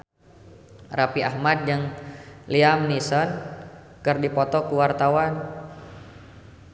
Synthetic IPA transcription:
rapia̰hmat̪̚d͡ʒɨŋliamnisɔn | kɨrdipɔt̪ɔkuwart̪awan

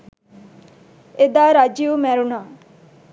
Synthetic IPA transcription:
ed̪aːɾad͡ʒijumɛɾuna

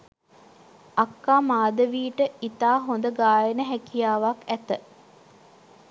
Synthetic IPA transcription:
akːaːmaːd̪əʋiːʈəit̪aːɦond̪əɡaːjənəɦækijaːʋakæt̪ə

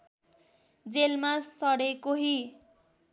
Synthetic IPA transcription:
d͡zelmasʌɽekoɦi

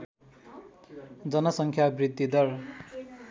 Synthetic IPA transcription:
d͡zʌnʌsʌŋkʰjabrid̪ːid̪ʌr

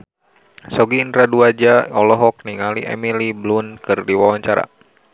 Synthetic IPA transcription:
sɔɡiːndɾaduad͡ʒaɔlɔɦɔk̚niŋaliʔɛ̰miliblunkɨrdiwawaɲt͡ʃaɾa̰

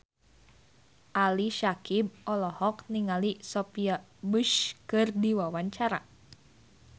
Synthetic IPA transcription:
ʔaliʃakib̚ʔɔlɔhɔkniŋalisɔpiabɨʃkɨrdiwawaɲt͡ʃaɾa

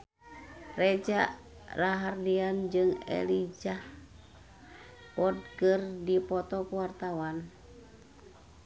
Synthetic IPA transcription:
red͡ʒaʔ | raɦardiand͡ʒɨŋɛ̰lid͡ʒah | ɔd̚kɨrdipɔt̪ɔkuwart̪awan

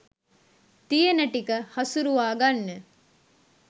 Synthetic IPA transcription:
t̪ijenəʈikəhɐsuɾuʋaːɡanːe

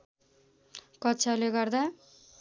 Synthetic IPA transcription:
kʌtːt͡sʰaleɡʌrd̪a

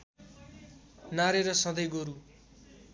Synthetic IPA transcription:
naɾeɾʌsʌd̪ʌjɡoɾu

